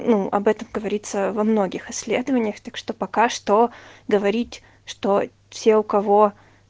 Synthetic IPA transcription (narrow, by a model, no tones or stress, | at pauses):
nuɐ̰bɛt̪əmɡəvɐɾʲit̪səvɐmno̞ɡʲɪxɪsʲːlʲe̞d̪əvənʲɪjəxt̪akʂt̪o̞pɐkaʂt̪oɡəvɐɾʲitʲ | ʂt̪o̞ | sʲeʊkɐvo